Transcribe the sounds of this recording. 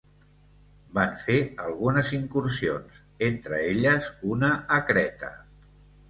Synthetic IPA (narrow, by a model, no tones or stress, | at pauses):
baɱfeəlˠɣunəziŋkuɾsionz | ent̪ɾəeʎəzunəːkɾɛt̪ə̰